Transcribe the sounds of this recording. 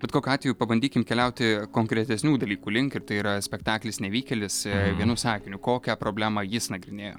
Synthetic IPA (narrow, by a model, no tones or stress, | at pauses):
bʲɛt̚koːkʲuɑːt̪ʋʲeɛjupɐbɐnʲd̪ʲiːkʲɪmkʲɛlʲɛʊt̪ʲɪkoːŋkɾʲɛt̪ʲɛsʲnʲuːd̪ɐlʲiːkuːlʲɪŋkɪrt̪ɐɪiːɾɐsʲpʲɛkt̪ɑːklʲɪsnʲɛʋʲiːkʲɛlʲɪsʋʲiɛnuːsɑːkʲɪnʲʊkoːkʲɛpɾoːbʲlʲæːmɑjɪsnɐɡɾʲɪnʲeːjo̰ː